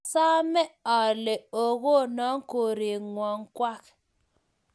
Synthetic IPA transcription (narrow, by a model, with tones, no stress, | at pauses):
sa˦mɛ˦ɔ˨le˨o˨ɣo˦˨nɔ˨˦ŋ˦ko˨ɾi˨ŋwɔ˨ŋkwa˦k